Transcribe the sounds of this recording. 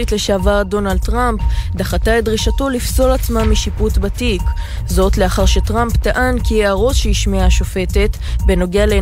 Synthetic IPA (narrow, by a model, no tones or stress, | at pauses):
itle̞ʃavaʁdo̞nald̚tʁampdaχataetdʁiʃato̞lifso̞lat͡smamiʃiputbatik | zo̞tleaχaʁʃe̞tʁamptaʔankieaʁo̞t̪ʃeiʃmeaʃo̞fe̞te̞t̪ | be̞no̞ɡeale